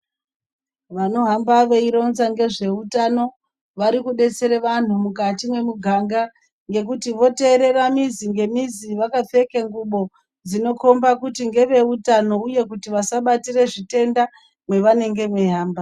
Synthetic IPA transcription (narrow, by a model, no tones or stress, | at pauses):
ʋano̞ɦambaʋeiɾo̞nzaŋɡe̞ʐe̞utano̞ | ʋaɾikuɗe̞t͡se̞ɾeʋan̤umukatimwe̞muɡʱaŋɡa | ŋɡe̞kutiʋo̞te̞ːɾe̞ramiziŋɡe̞miziʋakafe̞keŋɡuɓo̞ | d͡zino̞ko̞mbakutiŋɡe̞ʋe̞utano̞uje̞kutiʋasaɓatire̞ʐite̞nda | mwe̞ʋane̞ŋɡe̞ʋe̞ɦaːmba